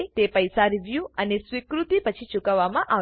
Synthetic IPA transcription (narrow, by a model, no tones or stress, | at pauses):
t̪epəjsaɾiʋjuənesʋikɾut̪ipət͡ʃʰit͡ʃukəʋːamãʔa